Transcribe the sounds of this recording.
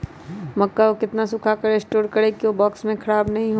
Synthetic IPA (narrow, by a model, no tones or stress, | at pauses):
mɐkːaokɪt̪nasʊkʰakɐɾesʈoːɾkɐɾekiobɔːksmẽkʰɐɽaːbnɐɦĩɦo